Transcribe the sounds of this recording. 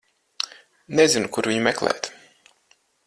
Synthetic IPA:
nezinukuɾviɲumɛklˠɛ̰ːt̪

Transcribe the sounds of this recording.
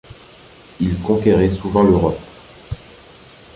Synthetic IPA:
ilkɔ̃kʲeʁɛsuvɑ̃løʁɔp

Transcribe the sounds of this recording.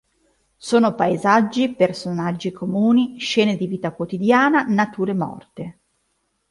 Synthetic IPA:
soːnopaezad͡ʒːipersonad͡ʒːikʰomuːniʃɛːned̪iviːt̪akwot̪id̪jaːnanat̪uːɾemɔ̰rt̪e

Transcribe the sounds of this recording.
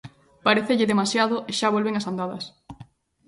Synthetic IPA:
paɾeθeʎɪðemasjaðoʔeʃaβ̞olβeŋasand̪aðɐs

